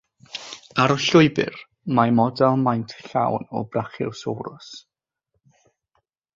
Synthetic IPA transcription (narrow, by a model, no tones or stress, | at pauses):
aɾɔɬʊɨbɪ̰r | majmɔdɛlˠmajntʰɬa̰wnɔ̰braχɪ̰wsowɾʊ̰s